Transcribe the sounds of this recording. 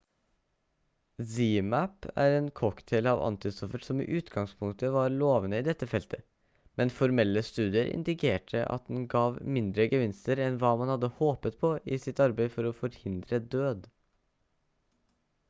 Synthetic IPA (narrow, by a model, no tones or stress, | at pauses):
ziːmæpæ̰ɾeːnkʰɔkt̪ʰɛɪlɑʋɑ̰nt̪ɪst̪ɔfəʈsɔmḭːʔʉːt̪ɡɑŋspʰʊŋt̪əʋɑɾɭoːʋənəiːd̪ɛt̪ːəfɛlt̪ʰə | mɛnfɔɾmɛlːəst̪ʉːd̪ɪəɾʔɪ̰nd̪ɪkʰeːʈʰəʔɑ̰t̪̚d̪ɛnɡɑːʋmɪnd̪ɾəɡəʋɪnst̪əɾɛnʋɑːmɑnhɑd̪ːəhoːpət̪pʰɔʔɪsɪt̪ɑɾbeɪfɔɾɔfɔɾhɪnd̪ɾəd̪øːd̪